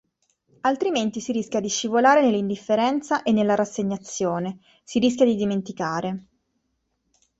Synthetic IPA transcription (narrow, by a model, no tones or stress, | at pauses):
alt̪ɾiment̪isiɾiskʲjad̪iʃːivolaːɾenelːind̪ifːeɾɛnt̪saʔenːelːaɾasːeɲːat̪sːjoːne | siɾis̬kʲjad̪id̪iment̪ikaːɾe